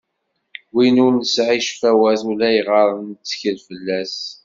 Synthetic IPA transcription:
winʊɾnəsʕiʃfæwæðulæjʁəɾˤənt͡sːə̥çəlfəlːæs

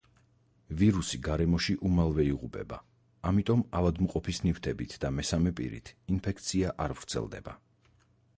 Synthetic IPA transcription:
viɾusiɡaɾɛmɔʃiʔumalˠvɛiʁupʼɛ̰ba̰ | amit̪ʼɔmavad̪muqʼɔpʰisnift̪ʰɛbit̪ʰd̪amɛsamɛpʼḭɾḭt̪ʰinpʰɛkʰt̪sʰiaʔaɾvɾt̪sʰɛ̰lˠd̪ɛ̰ba̰

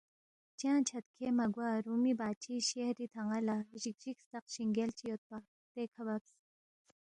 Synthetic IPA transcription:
t͡ʃãːnt͡ʃʰɐt̪̚kʰemɐɡwaɾumibaːt͡ʃʰiɕehɾit̪ʰaŋalaʑik̚ʒikst̪ɐqɕiŋɡelt͡ʃʰijot̪̚pa | t̪ekʰɐbɐps

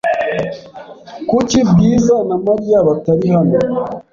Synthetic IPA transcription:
kucibɡiːzanamaɾjaβataɾihano

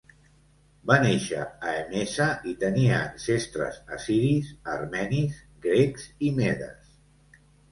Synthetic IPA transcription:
baneʃə̰aemesəit̪əniəːnsest̪ɾə̰zəsiɾiszərmɛniz | ɡɾekzimeðə̰s

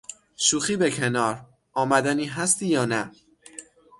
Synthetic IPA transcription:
ʃuːxiːbekʲʰenɒːɾ | ʔɒːmæd̪æniːɦæst̪iːjɒːnæ

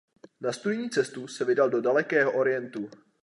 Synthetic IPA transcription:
nast̪udɲiːt͡sɛst̪usɛvɪdaldo̞dalɛkɛːɦoʔo̞ɾɪjɛnt̪u

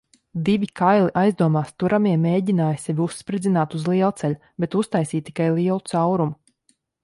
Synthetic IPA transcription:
d̪iʋʲikʰajlˠiʔajzd̪uɔmaːst̪uɾamiɛmeːɟʲinaːjsʲɛvʲiusːpɾid̪zinaːt̪uzlˠiɛlˠt̪sɛlʲu | bɛt̪ust̪ajsiːt̪ːi̥kajlˠiɛlˠut̪sawɾum

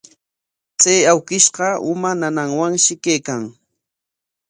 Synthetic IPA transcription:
t͡sajawkɪʃɢɑʊmananaŋwaŋʃɪkejkaŋ

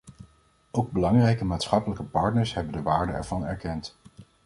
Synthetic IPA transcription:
owɡ̚bəlɑŋrɛjkəmaːtsχɑpələkəpɑɹtnəɹsɦɛbəndəʋaːɹdəɛ̰ɹv̥ɑnɛɹkɛnt

